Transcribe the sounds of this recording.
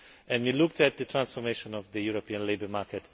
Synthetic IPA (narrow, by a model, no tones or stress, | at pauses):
ɛ̃ndwilʊk̚tæt̪̚ðətʰɹãnsfɔmeʃɔ̃nɔvðəjuɹopiə̃nleɪbə˞maɹkɛt